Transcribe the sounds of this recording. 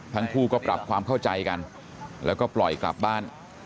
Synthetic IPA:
t̪ʰa˦˥ŋkʰuː˥˩kɔː˥˩pɾa̰˨˩p̚kʰwaː˧mkʰa˥˩wt͡ɕa˧jka˧n | lɛ̰ː˦˥wkɔː˥˩plɔ˨˩jkla̰˨˩p̚baː˥˩n

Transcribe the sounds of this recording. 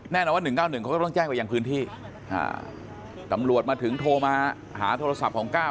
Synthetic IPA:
nɛː˥˩nɔ˧˩waː˥˩nɯ˨˩ŋkaː˥˩wnɯ˨˩kʰa˦wːt̪ɔ˥˩t͡ɕɛː˥˩ŋpa˧ja˧ŋpʰɯː˦˥nt̪ʰiː˥˩ | ʔa̰ː˧˩ | t̪a˧˩mɾu˨˩ət̪̚maː˧t̪ʰɯ˩˦ŋt̪ʰoː˧maː˧ | ha̰ː˩˦t̪ʰoː˧ɾa˧sa˨˩p̚kʰɔː˩˦ŋkaː˥˩w

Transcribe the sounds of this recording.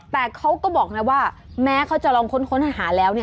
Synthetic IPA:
t̪ɛː˨˩kʰa˦˥wkɔː˥˩bɔː˨˩k̚na˦˥waː˥˩ | mɛː˨˦˥kʰa˦˥wt͡ɕa˨˩ʔlɔː˧ŋkʰo˦˥nkʰo˦˥nʰa˧˩ɦaː˩˦lɛː˦˥wni˥˩

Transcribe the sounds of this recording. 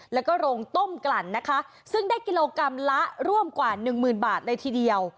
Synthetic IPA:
lɛ˦˥wkɔː˥˩ɾoː˧ŋt̪o˥˩mkla˨˩nːa˦˥kʰa˦˥ʔ | sɯ˥˩ŋdaː˥˩jki˧loː˧ka˧mla˦˥ʔɾu˥˩əmkwaː˨˩nɯ˨˩ŋmɯː˨˩nbaː˨˩t̪̚lɤː˧jt̪ʰiː˧di˧əw

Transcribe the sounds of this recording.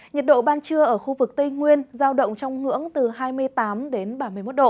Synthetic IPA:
ɲə˨˩t̚ɗo̰˧˨ɓaː˧nt͡ɕɨ˧əʔəː˧˩xu˧vɨ˨˩k̚t̪i˧jŋwi˧ənzaː˧wɗə̰˧˨wŋ͡mt͡ɕɔ˧wŋ͡mŋɨ̰˧˥əŋt̪ɨ˨˩ɦaː˧jmɨ˧əjt̪aː˨˦mɗe˨˦nɓaː˧˩nmɨ˨˩əmo˦˥t̚ɗo̰˧˨

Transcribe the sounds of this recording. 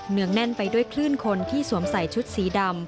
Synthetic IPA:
nɯ˩˥əŋnɛ˥˩npa˧jdu˥˩əjkʰlɯː˥˩nkʰo˧nt̪ʰiː˥˩su˩˦əmsa˨˩jt͡ɕʰu˦˥t̪̚siː˩˦da˧m

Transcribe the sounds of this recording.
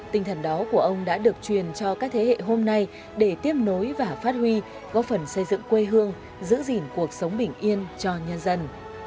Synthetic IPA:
t̪ï˧ŋt̪ʰə˧˩nɗɔ˨˦ku˧˩əʔə˧wŋ͡mɗa̰ː˧˥ɗɨ˨˩ək̚t͡ɕwi˨˩ənt͡ɕɔ˧kaː˦˥k̚t̪ʰe˨˦hḛ˧˨ɦo˧mna˧j | ɗe˧˩t̪i˦˥əp̚no˨˦jvaː˨˩faː˦˥t̚hwi˧ | ɣkɔ˨˦fə˨˩nsə˧jzɨ̰˧˨ŋkwe˧ɦɨ˧əŋ | zɨ̰˧˥zi˨˩nku˨˩ək̚sə˨˦wŋ͡mɓï˧˩ŋ̟ʔi˧ənt͡ɕɔ˧ɲə˧nzə˧n

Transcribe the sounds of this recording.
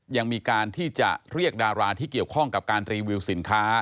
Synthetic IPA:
ja˧ŋmiː˧kaː˧nt̪ʰiː˥˩t͡ɕa̰˨˩ʔɾi˥˩ək̚daː˧ɾaː˧t̪ʰiː˥˩ki˨˩əwkʰɔ˥˩ŋka˨˩p̚kaː˧nt̪ɾiː˧wi˧wsi˩˦nkʰaː˦˥

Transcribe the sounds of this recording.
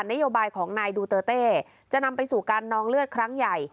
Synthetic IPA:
nːa˦˥joː˧baː˧jkʰɔː˩˦ŋnaː˧jduː˧t̪ɤː˧t̪eː˥˩ | t͡ɕa˨˩ʔna˧mpa˧jsuː˨˩kaː˧nːɔː˧ŋlɯ˥˩ət̪̚kʰɾa˦˥ŋja˨˩j

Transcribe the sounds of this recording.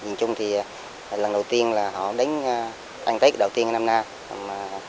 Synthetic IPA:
zɨ̰˨˩əɲt͡ɕʊ˧ŋ͡mt̪ʰi˨˩˨ | lə˨˩nɗə˨˩wt̪i˧ənlaː˨˩ɦɔ̰˧˨ɗə˨˦jŋ̟˧ | ʔa̰˧jŋ̟t̪ə˨˦kːɗə˨˩wt̪i˧əŋ˧na˧mnaː˧˨ | maː˨˩

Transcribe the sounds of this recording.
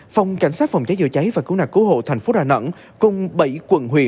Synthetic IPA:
fɔ˨˧˩wŋ͡mka̰˧˩jŋ̟saː˦˥t̚fɔ˨˩wŋ͡mt͡ɕa˨˦jzɨ̰˧˨t͡ɕa˨˦jvaː˨˩kɨ˨˧˦wnaː˨˩kɨ˨˧˦ho̰˧˨t̪ʰɛ˨˩ŋ̟fo˨˦ɗaː˨˩nə̰˧˨n | kʊ˧˩ŋ͡mɓə̰˧˩jkwə˧˩nɦwi˨˧˩ə

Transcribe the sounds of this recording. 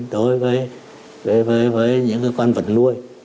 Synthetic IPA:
ɗo˨˦jvəː˨˦j | vəː˨˦jvəː˨˦jvəː˨˦jɲɨ̰˧˥ŋkɨː˨˦kwaː˧nvə̰˨˩t̚nu˧əj

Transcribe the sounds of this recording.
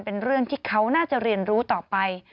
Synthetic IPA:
npe˧nɾɯ˥˩əŋt̪ʰiː˥˩kʰa˦˥wnaː˥˩t͡ɕa˨˩ɾi˧ənɾuː˦˥t̪ɔː˨˩pa˧j

